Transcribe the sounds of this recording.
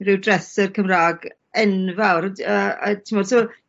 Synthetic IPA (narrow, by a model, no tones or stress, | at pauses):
rɪwdrɛsɛrkʰəmraːɡ | ɛnvawɾəətʰimɔd̥sɪɔ